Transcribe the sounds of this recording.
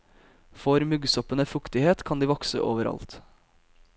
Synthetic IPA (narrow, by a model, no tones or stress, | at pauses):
fɔɾmʉɡsɔpənəfʉkt̪ɪheːt̪kʰɑnd̪iːʋɔksə̰ʔoːʋəɾɑ̰lt̪